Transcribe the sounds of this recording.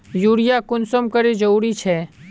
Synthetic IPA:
juːɽɪjakʊnsəmkɐɾed͡ʒɐɾuːɾit͡ʃʰɛː

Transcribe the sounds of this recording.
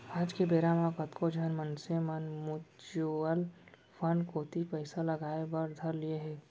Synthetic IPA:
aːd͡ʒkebeːɾamãkɐt̪kʰod͡ʒʱɐnmɐnsemɐnmʊd͡ʒuəl | pʰɐɳkoːt̪ipɛɪsalɐɡaːebɐɾd̪ʱɐɾlieɦɛː

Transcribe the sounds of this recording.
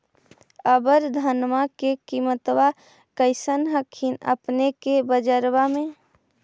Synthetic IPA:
əbəɾd̪ʱənmakekimət̪ʋa | kəɪsənɦəkʰinə̰pnekebəd͡ʒəɾbamẽ

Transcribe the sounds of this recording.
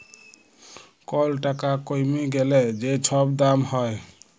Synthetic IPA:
kɔlʈakakojmiɡeled͡ʒet͡ʃʰɔbd̪amhɔe

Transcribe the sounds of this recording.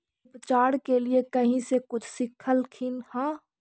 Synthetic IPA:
pt͡ʃaːɽkeliekɐɦĩsekʊt͡ʃʰsɪkʰəlkʰɪnhãː

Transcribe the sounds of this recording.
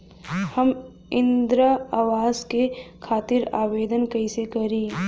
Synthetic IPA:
hɐm | ɪ̃nd̪ɾəaːwaːzkekʰaːt̪ɪɾaːweːd̪ənkɐisekɐɾĩː

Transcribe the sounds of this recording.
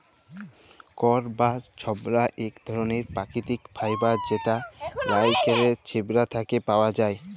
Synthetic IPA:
kɔɾbast͡ɕʰɔbɾaʔekd̪ʱɔɾoneɾpɾakit̪ikbʰʱajbad͡ʑet̪aɾajkeɾet͡ɕʰebɾat̪ʰakepaoad͡ʑae

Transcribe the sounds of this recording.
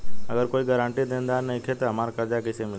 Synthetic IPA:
əɡəɾkoiɡəɾãɳʈiːd̪end̪aɾnəikʰet̪əəmaɾkəɾd͡ʒakəsemil

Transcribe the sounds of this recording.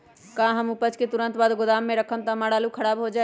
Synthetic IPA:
kãɦəmupət͡ʃket̪uɾənt̪baːd̪ɡod̪amːẽɾəkʰəmt̪amaɽalukʰəɽaːbɦod͡ʒaɛ

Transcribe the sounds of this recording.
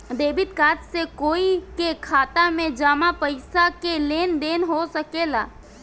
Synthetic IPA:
d̪eːbɪt̪kaːt̪sekoːikekʰaːt̪amẽd͡ʒaːmapəɪsakeleːnd̪eːnɦosəkeːlaː

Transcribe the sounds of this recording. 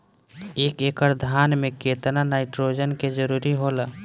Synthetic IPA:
eːkeːkəɾd̪ʱaːnmẽkeːt̪nanaːɪʈɾoːd͡ʒənked͡ʒəɾuːɾiɦoːlaː

